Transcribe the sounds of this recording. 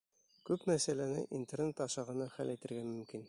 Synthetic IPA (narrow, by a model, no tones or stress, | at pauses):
kʉpmæsælænɘ̰ʔint̪ernet̪ɑʃɑʁɤ̆nɑχæ̰lʔæjt̪ɘ̆ɾɡæmɵ̆mkin